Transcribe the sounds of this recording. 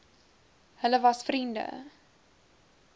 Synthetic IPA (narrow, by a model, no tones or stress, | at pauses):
hələvɐsfrində̰